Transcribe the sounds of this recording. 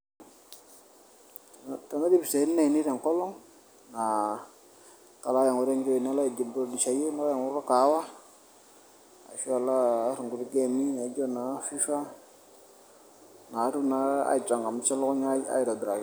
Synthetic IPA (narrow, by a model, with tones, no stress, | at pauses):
ta˨na˦di˦bse˨˦na˨i˨ni˦ɾɛ˨ŋ˨kɔ˦lɔ˦ŋ | na˨ | ka˨laː˦ja˨ŋu˨˦ɾɛ˦ɲd͡ʒɔ˦i˨na˦la˦˨d͡ʒi˨bdi˨t͡ʃa˨jo˦na˦a˦ja˨ŋu˦a˦ka˨˦wa˦ | a̰˨ʃu˦a˨laː˦ɾu˨ŋɡu˨ɾi˦ɡɛ˦˨mi˦na˨˦d͡ʒɔ˦na˨fi˦fa˦ | na˨˦ɾu˦na˨a̰˦i˨t͡ʃʼa˨ŋɡa˨m˨˦t͡ʃa˦lɔ˦kɔ˦ɲa˦a̰˦i˨ɾa˨dɾa˨ɡ